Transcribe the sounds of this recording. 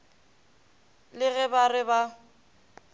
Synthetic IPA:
lɪɣɛbarɪba

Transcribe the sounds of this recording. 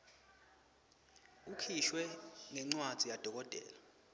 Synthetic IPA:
ukʰiʃwɛŋɛŋ͡ǀwad̥ʱijad̥ʱɔk̬ʼɔd̥ʼʱɛ̰ːla

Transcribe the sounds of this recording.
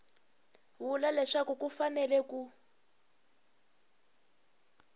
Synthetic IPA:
βulalɛʂakukufanɛlɛku

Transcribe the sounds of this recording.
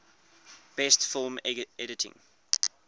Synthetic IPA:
b̥ɛstfɪlˠmɛɾɪtʰɪ̰̃ŋ

